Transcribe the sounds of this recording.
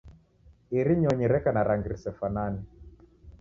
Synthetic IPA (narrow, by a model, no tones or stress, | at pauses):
iɾiɲɔɲiɾɛkanaɾaŋɡiɾisɛfanani